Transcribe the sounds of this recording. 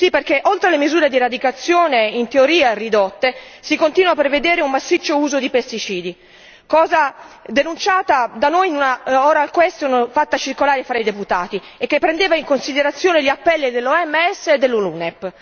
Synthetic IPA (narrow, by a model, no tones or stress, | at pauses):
siperkeʔolt̪ɾelemizuːɾed̪iɾad̪ikat̪sːjoːneint̪eoɾiːarid̪ɔt̪ːesikont̪iːnwapɾeved̪ɛːɾeumːasːit͡ʃːouːzod̪ipest̪it͡ʃiːd̪i | kɔːzad̪enunt͡ʃaːt̪ad̪anojnunaɔːɾaːlkwɛst̪unfat̪ːat͡ʃirkolaːɾefɾaid̪eput̪aːt̪i | ekːepːɾend̪eːvaiŋkonsid̪eɾat̪sːjoːneʎapːɛlːid̪elːoɛmːɛsːeːd̪ːelːulunɛpː